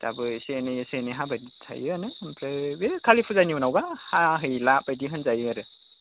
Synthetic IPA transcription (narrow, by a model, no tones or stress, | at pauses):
ta̰bɯsenɯjesenɯɦabajditʰa̰jɯanɯmpʰɾɯbekʰalipʰuzajniunawbahaɦɯjlabajdiɦɯnzajɯaɾɯ